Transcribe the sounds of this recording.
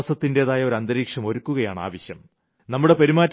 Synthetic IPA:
ɐsɐt̪ːinde̞ːðaːjɐo̞ɾɐnd̪ɐɾiːkʂɐmo̞ɾukːuɣɐjaːɳa̰ːʋɐɕjɐm | nɐmːuɽe̞pɐɾimaːtː

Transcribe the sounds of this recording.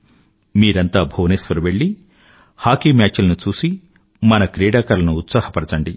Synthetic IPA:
miːɾɐnt̪aːbʱoːneːsʋɐɾuʋeɭːi | haːkiːmjaːt͡ʃulɐnut͡ʃuːsi | mɐnɐkɾɛːɽaːkɐɾɐlɐnuːt̪sahɐpɐɾɐt͡ʃɐɳɖi

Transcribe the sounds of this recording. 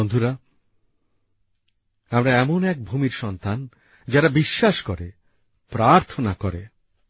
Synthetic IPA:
ond̪ʱuɾa | amɾaɛmonɛk̚bʱumiɾʃɔnt̪an | d͡ʑaɾabiʃːaʃkoɾe | pɾaɾt̪ʰonakoɾe

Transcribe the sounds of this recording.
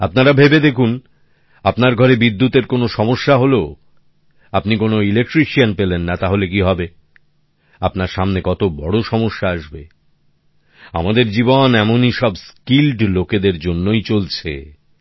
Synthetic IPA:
apnaɾabʱebed̪ekʰun | apnaɾɡʱɔɾebid̪ːut̪eɾkonoʃɔmoʃːaɦolo | apnikonoilek̚ʈɾiʃianpelenːat̪aɦolek̬iɦɔbe | apnaɾʃamnekɔt̪obɔɽoʃɔmoʃːaaʃbḛ | a̰mad̪eɾd͡ʑibonɛmoniʃɔbskilɖloked̪eɾd͡ʑonːojt͡ɕolt͡ɕʰḛ

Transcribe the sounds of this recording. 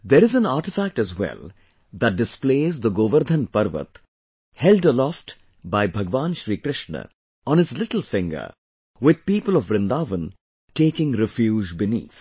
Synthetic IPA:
d̪eɾɪzæ̃naːɾʈɪfæk̚ʈæzwɛ̰l | d̪æʈ̚ɖɪspleːzd̪əɡoːʋəɾd̪ʱə̃npʌɾʋə̰t̪ | hɛlɖəlɔfʈ | baɪbʱɐɡʋãːnʃɾiːkɾɪʃnə̰ | ɔ̃ːnɪzlɪʈl̩ˠfɪ̃ŋɡə̰ | wɪd̪̚piːpəlɔʋːɾɪ̃nd̪aːʋə̃n | ʈeːkɪ̃ŋɾɪfjuːd͡ʒbɪnḭːt̪

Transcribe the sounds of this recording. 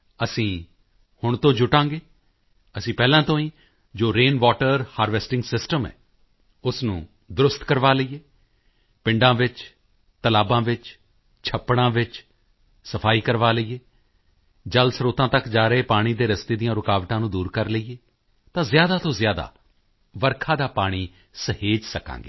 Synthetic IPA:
əsĩː | hʊɳt̪õːd͡ʒʊʈãːŋɡeː | əsĩːpɛːlãːt̪õːĩː | d͡ʒoːɾeːnʋaːʈəɾhaːɾʋɛsʈɪ̃ŋɡsɪsʈəmɛ̰ː | ʊsnṵ̃ː | d̪ʊɾʊst̪kəɾʋaːləiːeː | pɪ̃ɳɖãːʋɪt͡ʃ | t̪əlaːbãːʋɪt͡ʃ | t͡ʃʰəpːɽ̃ãːʋɪt͡ʃ | səpʰaːiːkəɾʋaːləiːeː | d͡ʒəlsɾoːt̪ãːt̪əkd͡ʒaːɾəeːpaːɽ̃iːd̪eːɾəst̪eːd̪ijãːɾʊkaːʋʈãːnũːd̪uːɾkəɾləieː | t̪ãːzjaːd̪aːt̪õːzjaːd̪a̰ː | ʋəɾkʰãːd̪aːpaːɽ̃iː | səheːd͡ʒsəkã̰ːŋɡḛː

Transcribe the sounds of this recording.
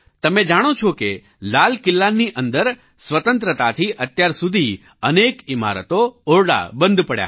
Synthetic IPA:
t̪əmed͡ʒaɽ̃ot͡ʃʰoke | lalkɪlːanːiʔənd̪əɾ | sʋət̪ənt̪ɾət̪at̪ʰiʔət̪jaɾsud̪ʱi | ənekɪma̰ɾə̰t̪ooɾɽa̰bə̃nd̪ʱpəɽja̰

